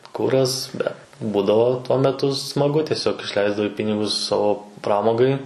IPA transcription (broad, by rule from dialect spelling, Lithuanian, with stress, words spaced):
ˈkʊrɐs ˈbʲɛt ˈbuːdɐʋoː tuɔ mʲɛˈtʊ smɐˈɡʊ tʲiɛˈsʲoːk ɪʃʲˈlʲɛɪzdɐʋɐɪ ˈpʲɪnʲɪɡʊs ˈsɑːʋoː ˈprɑːmoːɡɐɪ